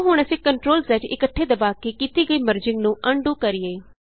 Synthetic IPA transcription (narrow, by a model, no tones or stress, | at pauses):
ɦʊɳ̃ɛsĩkəɳʈɾoːlsɛt͡ʃɪ̰kəʈʰːeːd̪əbaːkiːkiːt̪iːɡəiːməɾd͡ʒɪŋɡnũːʔəɳɖũːkəɾijeː